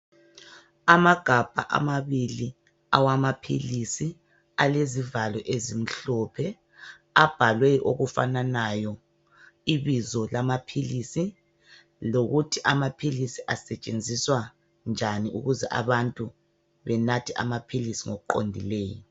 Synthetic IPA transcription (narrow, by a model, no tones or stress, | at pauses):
amaɡ̥ʱab̥ʱa̰ʔa̰maβili | a̰wamapʰilisi | alezivalɔʔezim̩ɬɔpʰɛ | ab̥ʱalweʔo̰ɣufa̰nanajɔ | iβizɔlamapʰilisi | loɣutʰiʔamapʰilisiʔasɛt͡ʃʼend͡zʱiswa | nd͡ʒʱaniʔuɣuzɛʔa̰βantʼu | βɛnatʰia̰mapʰilisiŋoɣuǃo̰ndʱileːjɔ